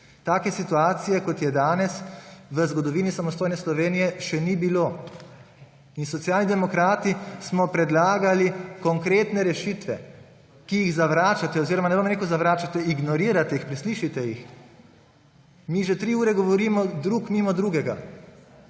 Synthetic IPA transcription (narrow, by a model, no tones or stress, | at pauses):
t̪aːkɛsit̪uaːt̪sijɛkɔt̪jɛd̪aːnɛsʋəzɡɔd̪ɔʋiːnisamɔst̪oːjnɛslɔʋeːnijɛʃɛnibiloː | insɔt̪sjaːlnid̪ɛmɔkɾaːt̪ismɔpɾɛd̪laːɡalikɔŋkɾeːt̪nɛɾɛʃiːt̪ʋɛ | kijiɣzaʋɾaːt͡ʃat̪ɛɔziːɾɔmanɛbomɾeːkuwzaʋɾaːt͡ʃat̪ɛiɡnɔɾiːɾat̪ɛixpɾisliːʃit̪ɛjix | miʒɛt̪ɾiuːɾɛɡɔʋɔɾiːmɔd̪ɾukmiːmɔd̪ɾuːɡɛɡa